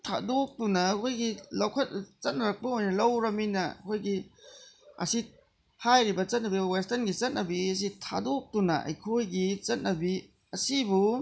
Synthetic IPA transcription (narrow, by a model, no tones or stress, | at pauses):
tʰa̰dok̚tunɐɐkʰojɡilɐwkʰɐt̚t͡ʃɐt̚nɐɾɐk̚pɐojnɐlɐwɾɐminɐɐ̰kʰojɡi | ɐ̰si | hajɾibɐt͡ʃɐt̚nɐbiwestɐnɡit͡ʃɐt̚nɐbiɐs̬itʰa̰dok̚tunɐ̰ɐ̰jkʰojɡit͡ʃɐt̚nɐbi | ɐsibu